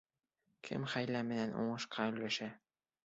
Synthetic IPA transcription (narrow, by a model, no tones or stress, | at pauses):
kʰɘ̰mχæjlæmɘ̆nænʔṵɴɤ̆ʃqɑɵ̆jlæʃæ